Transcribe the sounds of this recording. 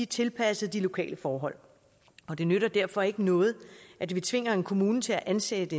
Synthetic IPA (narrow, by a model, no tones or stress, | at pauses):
it͡sʰe̝lpʰæsəð̞̩ˠd̥ilo̝kʰɛ̰ːləfɒːɦɒ̽l̰ | ɒ̽d̥e̝nøɾɐd̥æɐ̰fɒ̽e̝ɡ̥ənɔ̽ːð̞̩ˠʔædʋit͡sʰʋe̝ŋ̰ɐe̝nkʰo̝muːnt͡sʰe̝æʔænsed̥əd̥e